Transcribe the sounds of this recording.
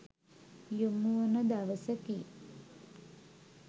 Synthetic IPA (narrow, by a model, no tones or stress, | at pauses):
jumuʋənəd̪aʋəsəki